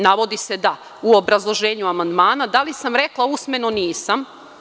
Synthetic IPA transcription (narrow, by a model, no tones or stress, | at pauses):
naʋo̞d̪ise̞d̪a | uo̞bɾazlˠo̞ʒeːɲuamand̪maːnad̪alisamɾe̞klˠausme̞noniːsam